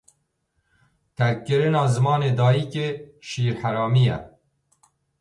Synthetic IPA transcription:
t̪ʰɛɾkkːɨɾɪnɑːzɨmɑːneːd̪ɑːjiːkeːʃiːɾħæɾɑːmijɛ̰

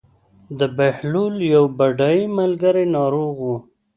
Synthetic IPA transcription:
d̪əbahluljawbaɖaimalɡəɾenɑɾoɣwu

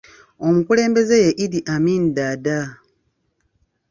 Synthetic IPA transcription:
o̞mukule̞ːmbe̞ze̞je̞ʔiɾiʔamiːndada

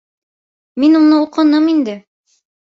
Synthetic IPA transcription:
minunɤuqɤ̆nɤmind̪ɘ

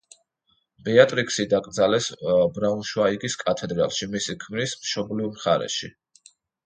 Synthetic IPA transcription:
b̥ɛat̪ʼɾikʼsid̪aɡʼɾd̪zalɛsbɾaunʃwaiɡiskʼat̪ʰɛd̪ɾa̰lˠʃimisikʰmnismʃɔblivmχaɾɛ̰ʃḭ

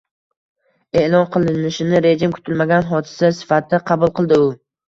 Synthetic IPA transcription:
e̞lˠɒnqʰɨlˠɪnɪʃɪnɪɾe̞d͡ʒɪmkʰʊ̥t̪ʰɪlmaɡʲanɦɒd̪ɪ̥sasɪ̥fat̪ɪd̪aqʰɑbʊlˠqɨlˠd̪ɪʊ

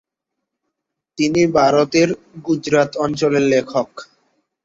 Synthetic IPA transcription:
t̪inibʱaɾot̪eɾ | ɡud͡ʑɾat̪ɔnt͡ɕoleɾlekʰok

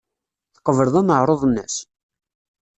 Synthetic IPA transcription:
θə̥qːəvəɾðˤæməʕɾˤoðˤnːəs

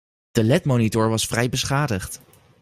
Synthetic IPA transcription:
d̥əlɛtmownitʊɹʋɑsfrɛjbəsχaːdəχt

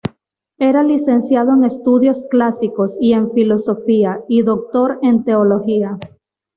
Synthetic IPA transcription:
e̞ɾalise̞nsjað̞o̞e̞ŋe̞st̪uðjo̞sklasiko̞sie̞ɱfilo̞so̞fiaiðo̞k̚t̪o̞ɾe̞nt̪e̞olo̞xia

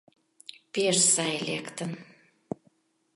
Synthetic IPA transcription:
peʃsɑjlekt̪ən

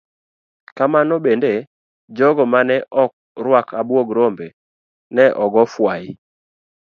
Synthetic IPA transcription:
kamanɔbende | d͡ʒɔɡɔmanɛʔɔk̚ɾwakʰabwoɡɾombe | nɛʔɔɡɔfwajɪ

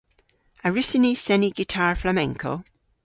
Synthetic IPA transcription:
aɹʉsinisɛniɡitʰaɹflamɛ̃ŋkʰo̰

